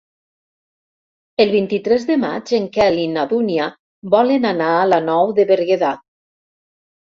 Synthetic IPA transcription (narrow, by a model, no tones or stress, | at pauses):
elˠβint̪it̪ɾɛzðema̰d͡ʒeŋkɛlinaðunia | bɔlenanaːlanɔwðeβeɾɣeðat̪̚